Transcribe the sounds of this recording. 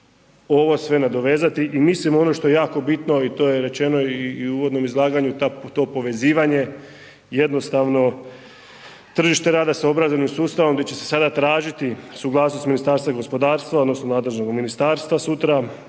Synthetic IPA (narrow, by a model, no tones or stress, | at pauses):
o̞ʋo̞sʋe̞nad̪o̞ʋe̞ːzat̪iʔimislimoo̞no̞ʃt̪o̞jejaːko̞bit̪no̞it̪o̞ːjeɾe̞t͡ʃe̞no̞iːuːʋo̞d̪no̞mizlˠaːɡaɲut̪at̪o̞po̞ʋe̞ziːʋaɲe̞ | je̞d̪no̞st̪aʋno̞ | t̪r̩ʒiʃt̪e̞ɾaːd̪asao̞bɾazonimsuːst̪aʋo̞md̪et͡ɕe̞sesad̪at̪ɾaːʒit̪isuɡlˠaːsnost̪minist̪aːɾst̪ʋaɡo̞spo̞d̪aːɾst̪ʋao̞d̪nosnonaːd̪le̞ʒno̞ɡminist̪aːɾst̪ʋasut̪ɾa